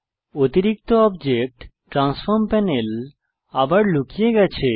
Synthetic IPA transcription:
ot̪iɾik̚t̪oɔbd͡ʑek̚ʈʈːɾansfoɾmpɛnel | abaɾlukijeɡɛt͡ɕʰe

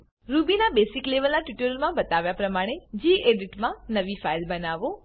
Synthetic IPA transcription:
ɾubinabesɪkleʋəlnaʈuʈəɾəlmãbət̪aʋjapɾəmaɽ̃ed͡ʒiːʔeɖiʈmãnəʋifailbənaʋo

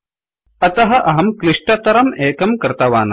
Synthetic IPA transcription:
ɐt̪ɐɦɐʔɐɦɐmkliʂʈɐt̪ɐɾɐmeːkɐmkɐɾt̪ɐʋaːnɐ

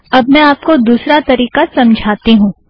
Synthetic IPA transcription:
ɐbmɛ̃aːpkod̪uːsɾat̪ɐɾiːqasɐ̃md͡ʒʱaːt̪iɦũː

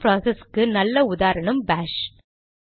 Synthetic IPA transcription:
pɾaːseskːɯnɐlːɐʊðaːɾɐɳɐmbaːʂ

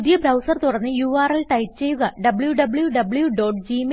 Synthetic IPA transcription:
ðijɐbɾɐwsɐrt̪urɐnːɨjuːaːrɐlʈɐjp̚t͡ɕe̞juɣɐɖɐbɭjuɖɐbɭjuɖɐbɭjuɖo̞ːʈd͡ʑiːm

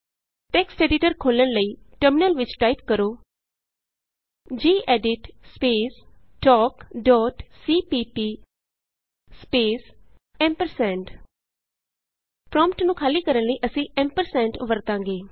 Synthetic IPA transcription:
ʈɛːksʈɛːɖɪʈəɾkʰoːlənləiː | ʈəɾmɪnəlʋɪt͡ʃʈaːipkəɾoː | d͡ʒiːʔɛːɖɪʈspeːs | ʈɔːkɖɔːʈsiːpiːpiː | speːs | ɛ̃ːmpəɾsɛ̃ːɳʈ | pɾɔ̃ːmpʈnũːkʰaːliːkəɾənləiːʔəsĩːʔpɛ̃ːmpəɾsɛ̃ːɳʈʋəɾt̪ãːŋɡeː

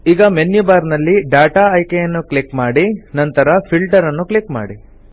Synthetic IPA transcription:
iːɡɐmenːjubaːɾnɐlːiɖaːʈaɐjkejɐnːukɭikmaːɽinɐnt̪ɐɾɐpʰilʈɐɾɐnːukɭikma̰ːɽi

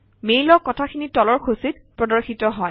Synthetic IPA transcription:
mejlɔkːɔtʰakʰinitɔlɔɹkʰusit | pɹɔdɔɹxitɔɦɔj

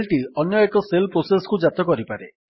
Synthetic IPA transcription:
lʈiɔnjɔekɔselpɾosesɔ̥kud͡ʒat̪ɔkɔɾipaɾe

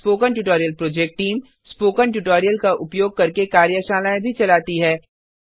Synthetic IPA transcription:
poːkənʈuʈoːɾijəlpɾoːd͡ʒek̚ʈʈiːm | spoːkəɳʈuʈoːɾijəlkaʔʊpjoːɡ̚kɐɾkekaːɾjəʃaːlaẽbʱit͡ʃɐlaːt̪iɦɛː

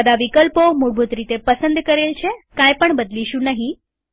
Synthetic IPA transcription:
əd̪aʋikəlpomuɽbʱut̪ɾit̪epəsənd̪kəɾelt͡ʃʰekãjpəɳbəd̪liʃũnəɦĩ

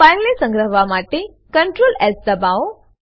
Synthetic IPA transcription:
ajnlesə̃ŋɡɾəɦʋamaʈe | kəɳʈɾoːlɛzd̪əbaʋw

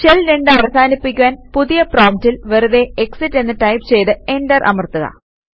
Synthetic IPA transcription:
t͡ɕelɾeɳɖaʋrɐsaːnipːikʲːuʋaːnpuðijɐproːmtilʋeɾuðe̞eksitːe̞nːɨʈɐjpt͡ɕe̞jt̪ɨe̞ɳdɐrʔɐ̰mɐrt̪uɣɐ̰

